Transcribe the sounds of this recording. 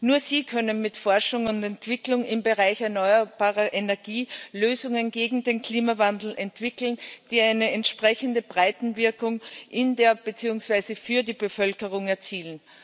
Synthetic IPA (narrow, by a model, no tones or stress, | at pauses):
nuːɐziːkʰœnənmɪtfɔɐʃʊŋʊntɛntv̥ɪklʊŋɪmbəʁaɪçɛɐnɔʏɐb̥aːʁɐʔenɛɐɡ̥iːløːzʊŋənɡeːɡŋ̩deːnkʰl̥iːmavandl̩ɛntv̥ɪkl̩nd̥iːaɪnəɛntʃpʁ̥ɛçəndəbʁaɪtn̩vɪɐkʊŋʔɪndeːɐb̥ət͡siːʊŋsv̥aɪzəfyːɐdiːbəfœlkəʁʊŋɛɐt͡siːlən